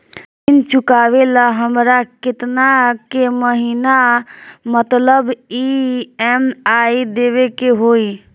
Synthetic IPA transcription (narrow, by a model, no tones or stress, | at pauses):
int͡ʃʊkaʋelaɦəmɾakɪt̪nakeməɦiːna | mət̪ləbiɛmaid̪eʋekeɦoi